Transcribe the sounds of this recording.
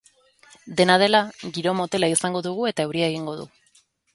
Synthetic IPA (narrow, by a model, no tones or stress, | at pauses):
d̪e̞nað̞e̞laɣiɾo̞mo̞t̪e̞laisaŋɡo̞ðuɣ̞ue̞t̪ae̞wɾiaeɣ̞iŋɡo̞ð̞ṵ